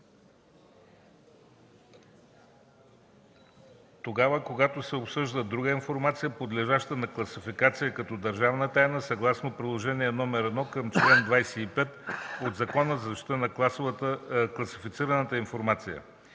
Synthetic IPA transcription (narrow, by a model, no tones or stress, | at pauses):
t̪oɡavəkoɡat̪osɛopsɤʒd̪əd̪ɾuɡəinfoɾmat̪sijəpod̪lɛʒaʃt̪ənɐklˠɐsifikat̪sijəkɐt̪ɔd̪əɾʒavnət̪ajnəsɐɡlˠasnopɾidlˠoʒɛniɛnɔmɛɾɛd̪nɔkəmt͡ʃlɛnd̪vajsɛipɛt̪od̪zɐkɔnəzɐzɐʃi̥t̪ənɐasvəklˠɐsifit̪siɾənət̪əinfoɾmat̪sijə̰